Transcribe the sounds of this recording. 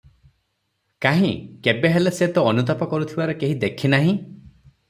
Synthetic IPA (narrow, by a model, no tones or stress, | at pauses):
kaɦĩkebeɦeleset̪ɔɔnut̪ɔpɔkɔɾut̪ʰibaɾɔkeɦid̪ekʰinaɦĩ